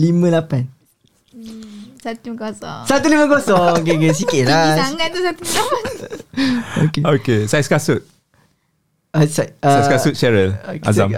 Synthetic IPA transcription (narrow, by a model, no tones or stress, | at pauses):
limə̃lapan | saiossat̪ulimə̃kosɔŋok̬ek̬es̬ikiɾasŋat̪usat̪uiapa | okeokesajskasut̪̚ | asaasaskasut̪̚ʃɛɹəla̰zam